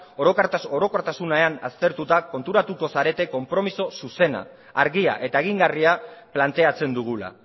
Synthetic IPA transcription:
o̞ɾo̞kaɾt̪aso̞ɾo̞koɾt̪asunaeana̰st̪e̞ɾt̪ut̪ako̞nt̪uɾat̪uko̞saɾe̞t̪e̞ko̞mpɾo̞miso̞suse̞na̰ː | ɾɣia̰ʔe̞t̪ae̞ɣ̞iŋɡariaplant̪e̞at͡se̞nd̪uɣ̞ula̰

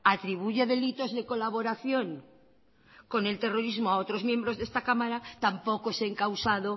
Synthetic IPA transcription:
at̪ɾiβ̞uʝeðe̞lit̪o̞zðe̞ko̞laβ̞o̞ɾaθjo̞ŋ | ko̞ne̞lt̪e̞roɾizmoao̞t̪ɾo̞zmjẽ̞mbɾo̞zðe̞st̪akamaɾat̪ampo̞koeseŋkawsaðo

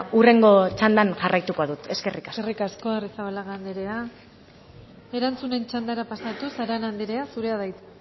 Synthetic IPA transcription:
ure̞ŋɡo̞t͡ʃand̪anʝarajt̪ukoaðut̪e̞ske̞rikaserikasko̞erisaβalaɣand̪iɾe̞a | e̞ɾant͡sune̞nt͡ʃand̪aɾapasat̪usaɾanand̪iɾe̞asuɾe̞aðajt̪

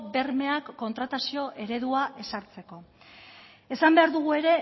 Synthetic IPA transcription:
be̞rme̞akːo̞nt̪ɾat̪asio̞ʔe̞ɾe̞ðuaʔe̞saɾt͡se̞ko̞ | e̞sambe̞aɾðuɣ̞ue̞ɾe̞

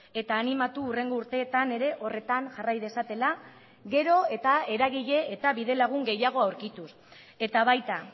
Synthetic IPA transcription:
e̞t̪aːnimat̪uːre̞ŋɡo̞uɾt̪e̞ːt̪ane̞ɾe̞ʔo̞re̞t̪aŋʝarajðesat̪e̞la | ɣe̞ɾo̞e̞t̪ae̞ɾaɣ̞iʎe̞ːt̪aβiðe̞laɣ̞uŋɡe̞jaɣ̞o̞awɾkit̪us | e̞t̪aβajt̪a

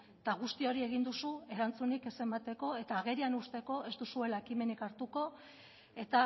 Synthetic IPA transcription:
t̪aɣ̞ust̪io̞ɾie̞ɣind̪usue̞ɾant͡sunike̞se̞mat̪e̞ko̞e̞t̪aːɣ̞e̞ɾianust̪e̞ko̞ʔe̞zd̪usue̞laekime̞nikaɾt̪uko̞ | e̞t̪a

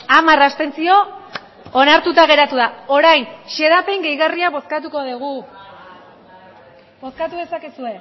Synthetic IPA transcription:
amarasp̪e̞nt͡sio̞ | onaɾt̪ut̪aɣ̞e̞ɾat̪uðao̞ɾajnʃe̞ðape̞ŋɡe̞jɣariaβo̞skat̪uko̞ðeɣ̞u | bo̞skat̪uðe̞sakesue̞

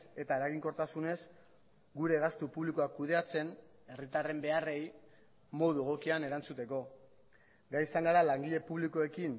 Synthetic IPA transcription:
e̞t̪aeɾaɣiŋko̞ɾt̪asune̞z | ɡuɾe̞ɣast̪upuβliko̞akːuð̞e̞at͡se̞n | e̞rit̪are̞mbe̞are̞j | mo̞ðueɣo̞kiane̞ɾant͡sut̪e̞ko̞ | ɡajsaŋɡaɾalaŋɡiʎe̞puβliko̞e̞kin

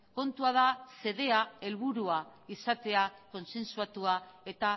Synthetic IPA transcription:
ko̞nt̪uaðase̞ðe̞ae̞lβ̞uɾuaisat̪e̞ako̞nse̞nsuat̪uae̞t̪a

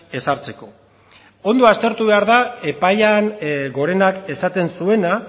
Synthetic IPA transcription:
e̞saɾt͡se̞ko̞ | o̞nd̪o̞ast̪e̞ɾt̪uβe̞aɾðae̞pajanɡo̞ɾe̞nake̞sat̪e̞nsue̞na

